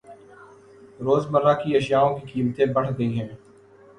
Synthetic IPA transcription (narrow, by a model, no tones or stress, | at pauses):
ɾoːzmɐɾːakiɐʃjaːõkikiːmt̪ẽbɐɽ̤ɡɐiɦɛ̃ː